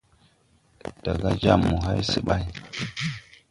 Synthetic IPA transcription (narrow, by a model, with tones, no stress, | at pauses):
d̥a˨ɡa˦d͡ʒa˦˨mːu˨ɦa˦jsɨ˦ɓa˦j